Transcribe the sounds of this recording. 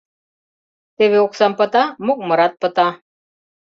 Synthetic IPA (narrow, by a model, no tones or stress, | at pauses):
t̪eʋeoksampət̪amuk̚məɾat̪̚pət̪a